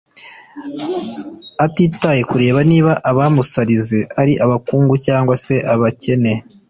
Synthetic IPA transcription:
atiːtaje̞kuɾe̞ːβaniːβaʔaβamusaɾizeaɾiʔaβakuːŋɡucaːŋɡwase̞ʔaβace̞ne̞

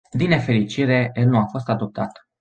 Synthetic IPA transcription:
d̪ine̞fe̞ɾit͡ʃiɾe̞jelnuafo̞st̪ad̪o̞p̚t̪at̪

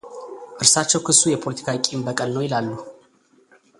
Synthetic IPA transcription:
ʔɨɾsat͡ʃːɛwkʰɨsːujɛpʰo̞lət̪ʰi̥kʰakʼimbəkʼəlnəwjɪlalːu

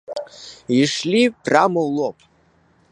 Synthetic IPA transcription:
iʂlʲipʰʼramowlopʼ

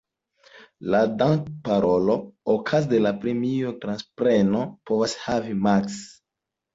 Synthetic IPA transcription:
ladaŋkpaɾo̞lo̞okʰazde̞lapɾemiotɾanspɾe̞no̞po̞vashavimaks

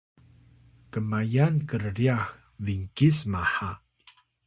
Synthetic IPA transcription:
kəmajankərriax | viŋkismaħa

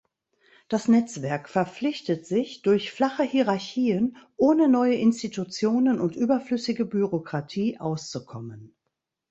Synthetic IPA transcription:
d̥asnɛt͡sv̥ɛɐkfɛɐp͡flɪçtətz̥ɪçd̥ʊɐçflaχəhiːʁaɐçiːənʔoːnənɔʏəʔɪnstitut͡sjoːnənʊntʔyːbɐflʏsɪɡəbyʁokʁ̥atʰiːʔaʊst͡sukʰɔmən

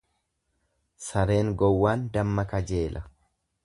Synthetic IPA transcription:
sɐɾe̞ːŋɡɔwːaːnd̪ɐmːɐkɐd͡ʒe̞ːlʔɐ

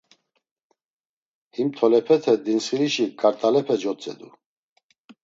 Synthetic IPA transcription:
himt̪ʰɔlɛpʰɛt̪ʰɛd̪insχiɾiʃikʼaɾt̪ʼalɛpʰɛd͡ʒɔt͡sʼɛ̰d̪ṵ

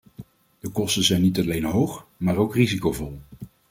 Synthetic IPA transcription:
d̥əkɔstəzɛjnitɑlejnɦowχmaːɹowkrizikowvɔlˠ

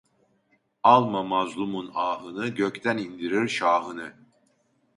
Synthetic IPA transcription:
ɑlˠmamɑzlˠumunɑːɦɯnɯɟøct̪ʰænind̪iɾiɾʃaːɦɯnɯ

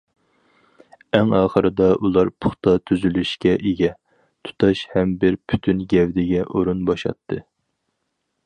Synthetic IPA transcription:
ɛŋɑːχəɾɨd̪ɑʔulˠɑɾpʰʊχt̪ɑt̪ʰyzylyʃkʲɛʔeɡʲɛ | t̪ʰu̥t̪ʰɑʃhɛmbɪɾpʰy̥t̪ʰynɡʲɛvd̪ɪɡʲɛʔoɾunbɑʃɑ̰t̪ʰːɨ

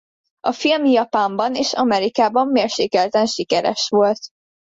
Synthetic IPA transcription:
ɒfilmijɒpaːmbɒneːʃɒmɛɾikaːbɒmːeːrʃeːkɛlt̪ɛnʃikɛɾɛ̰ʃʋo̞lt̪

